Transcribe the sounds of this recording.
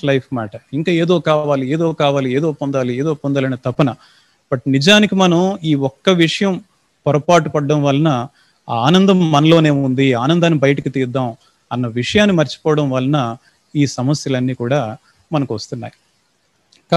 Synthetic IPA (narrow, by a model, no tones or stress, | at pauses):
lɐjpʰmaːʈɐiŋkaːeːd̪o̞ːkaːʋaːliɛːd̪o̞ːkaːʋaːliɛːd̪o̞ːpɔnd̪aːliɛːd̪o̞ːpɔnd̪aːlɐnet̪ɐpːɐnɐ | b̥ɐʈ̚nid͡ʒaːnikimɐnɐmiːɔkːɐʋiʂɐjɐm | pɔɾɐpaːʈupɐɖːɐmʋɐlːɐnɐː | nɐnd̪ɐmːɐnɐlo̞ːne̞ːmund̪iaːnɐnd̪aːnːibɐjɐʈɐkit̪iːɾd̪ːaːm | ɐnːɐʋiʂɐjaːnːimɐɾt͡ʃi̥pɔːʋɐɽɐmʋɐlːɐnɐ | iːsɐmɐsjɐlɐnːiːkuːɽaː | mɐnɐkuʋɐst̪unːa̰ːji